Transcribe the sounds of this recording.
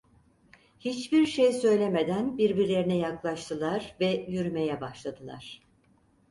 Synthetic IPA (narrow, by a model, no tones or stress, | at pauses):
hit͡ʃbiɾʃejsø̞jlʲemed̪ænbiɾbiɾlʲe̞ɾinɛjaklˠaʃt̪ʰɯlˠaɾvɛjyɾyme̞jɛbaʃlˠad̪ɯlˠa̰ɾ̥